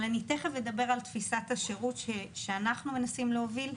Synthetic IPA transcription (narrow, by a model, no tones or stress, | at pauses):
laniteχevled̪abe̞ʁaltfisathaʃeʁut̪ʃeʃeanaχnume̞nasimleovil